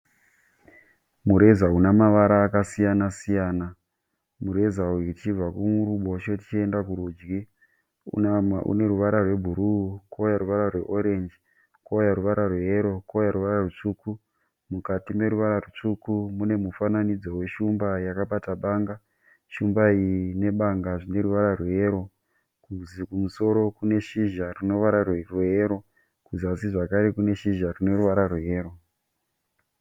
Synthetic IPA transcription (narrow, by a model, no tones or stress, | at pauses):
muɾe̞zaɦunamaʋaɾaːkasijanasijaːna | muɾe̞zauitit͡ʃib͡vakuuɾuɓo̞t͡ʃotit͡ʃie̞ndakuɾuːd͡ʒɡḭ | ṵne̞ɾuʋaɾarwe̞bʱuɾuukojaɾuʋaɾarwe̞ʔo̞ɾe̞nd͡ʒi | kojaɾuʋaɾarweɦeɾokojaɾuʋaɾarut͡ʂuːku | mukatime̞ɾuʋaɾarut͡ʂukumune̞mufananid͡zo̞we̞ʃumbajakaɓataɓaːŋɡa | ʃumbaine̞ɓaŋɡaʐine̞ɾuʋaɾarwe̞ɾo̞ | kuzikumuso̞ɾo̞kune̞ʃiʒarino̞ʋaɾarwerweeɾo̞ | kuzasiʐakaɾe̞kune̞ʃiʒarine̞ɾuʋaɾarweɦeːro̞